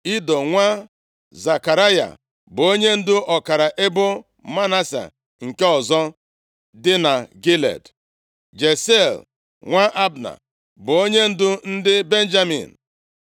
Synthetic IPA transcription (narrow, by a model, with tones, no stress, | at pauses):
i˦dɔ˨ŋʷa˦ | za˨ka˨ɾa˦ja̰˨ | bʊ˨o˦ɲe˦n̩˦dʊ˦ʔɔ˨ka˨ɾa˨ʔe˦bʊ˦ | ma˦na˦sḛ˨ | ŋ̩˨ke˦ɔ˨zɔ˦ | dɪ˦na˨ɡi˦lḛ˨d | d͡ʒe˨se˦˨l | ŋʷa˦ʔa˦bna̰˨ | bʊ˨o˦ɲe˦n̩˦dʊ˦n̩˦dɪ˦be˦n̩˦d͡ʒa˦mḭ˨n̩˨